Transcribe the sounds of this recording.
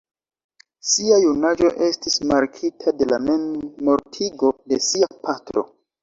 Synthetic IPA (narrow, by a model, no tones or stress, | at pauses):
siajunad͡ʒo̞ʔe̞stismaɾkʰitʰade̞lamenmo̞ɾtʰiɡo̞de̞siapʰatɾo̞̰